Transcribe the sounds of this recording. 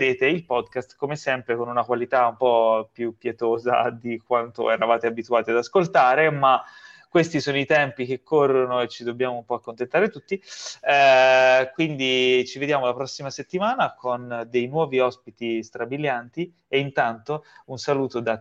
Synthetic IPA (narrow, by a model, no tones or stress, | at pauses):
eːt̪eilpɔd̪kast̪komesɛmpɾekonunakwalit̪aumpɔpjupːjɛt̪oːza̰d̪ikwant̪o̰ɛɾavaːt̪eabit̪uaːt̪iad̪askolt̪aːɾemakːwest̪isoːnoit̪ɛmpik̟ekʰːorːonoet͡ʃːid̪obːjaːmoumpɔakːont̪ent̪aːɾet̪ut̪ːi | kwind̪it͡ʃived̪jaːmolapɾɔsːimaset̪ːimaːnakʰond̪ejnwɔːviɔspit̪ist̪ɾabiljant̪i | eint̪ant̪ounsaluːt̪od̪a